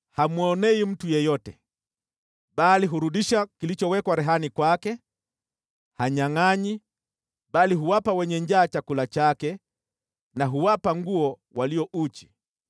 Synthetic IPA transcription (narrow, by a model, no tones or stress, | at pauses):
hamwɔnɛim̩tujɛjɔtɛ | baliɦuɾuɗiʃakilit͡ʃɔwɛkwaɾɛɦanikwakɛ | haɲaŋaɲi | baliɦuwapawɛɲɛɲd͡ʒaːt͡ʃakulat͡ʃakɛ | naɦuwapaŋɡuɔ | waliɔʔut͡ʃi